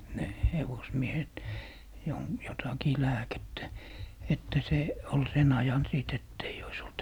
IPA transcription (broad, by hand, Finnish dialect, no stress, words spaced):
ne heʋosmiehet jon jotɑkiː læːketːæ etːæ se ol sen ɑjɑn siˑt etː eij ois olt